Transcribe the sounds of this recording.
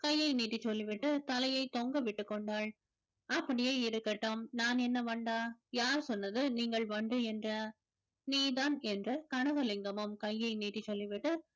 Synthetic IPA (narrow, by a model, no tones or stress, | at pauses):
kɐjːɐɪniːʈːit͡ʃːɔlːɪʋɪʈːɯt̪ɐlɐjɐɪt̪ɔŋɡɐʋɪʈːɯkːɔɳɖaːɭ | ɐpːɐɽɪjeːɪɾɯkːɐʈːɐmnaːnɛnːɐʋɐɳɖaːjaːɾsɔnːɐðɯniːŋɡɐɭʋɐɳɖɯɛndrɐ | niːðaːnɛndrɐkɐɳɐɣɐlɪŋɡɐmɐmkɐjːɐɪniːʈːit͡ʃːɔlːɪʋɪʈːɯ